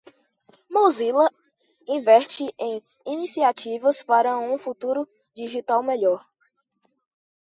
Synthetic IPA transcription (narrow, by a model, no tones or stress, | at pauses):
mozilɐ | ĩvɛɾt͡ʃɪʔẽj̃ | inisiat͡ʃivɐspaɾɐũfut̪uɾʊ | d͡ʒiʒit̪awmeʎɔɾ